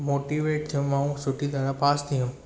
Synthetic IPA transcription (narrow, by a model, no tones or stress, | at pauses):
moːʈiʋeːʈ̚d͡ʒõmãːũsʊʈʰid̪aːɾapaːst̪ʰiʊ̃m